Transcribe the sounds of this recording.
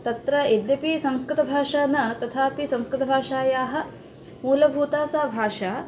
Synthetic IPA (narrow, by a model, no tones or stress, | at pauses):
t̪ɐt̪ɾɐid̪jɐpisɐmskɾɪt̪ɐbʱaːʂaːnɐt̪ɐt̪ʰaːpisɐ̃mskɾɪt̪ɐbʱaːʂaːjaːɦɐ̆ | muːlɐbʱuːt̪aːsaːbʱaːʂaː